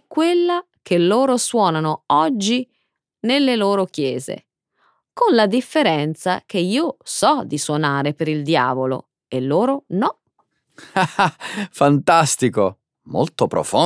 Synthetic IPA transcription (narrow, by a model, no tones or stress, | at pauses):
kːwelːa | kʰelːoːɾoswɔːnanoɔd͡ʒːi | nelːeloːɾokjɛːzḛ | konlad̪ifːeɾɛnt̪sa̰k̟eiːosɔd̪iswonaːɾepeɾild̪ja̰ːvolo̰ | elːoːɾonɔ | afant̪ast̪iko | mo̰lt̪opɾo̰fo